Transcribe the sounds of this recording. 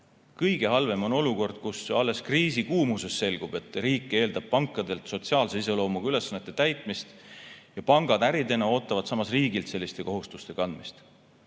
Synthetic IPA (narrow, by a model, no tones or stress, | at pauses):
kɤjɡe̞ɦɑlve̞mo̞no̞luko̞rd̪̥̚kusɑlːe̞skriːsikuːmuse̞sːe̞lɡ̥ub̥e̞t̪ˑriːkːˑe̞ːld̪ɑb̥̚pɑŋkˑːɑd̪e̞lt̪so̞t̪siɑːlseis̬e̞lo̞ːmuɡ̥yle̞sːɑnet̪ːet̪æjt̪ˑmist̪jɑpɑŋɡ̥ɑd̪̥æɾid̪e̞nɑo̞ːt̪ːˑɑvɑd̪sɑmɑsriːɡilt̪se̞lːist̪e̞ko̞ɦust̪ust̪e̞kɑnd̪̥̚mist̪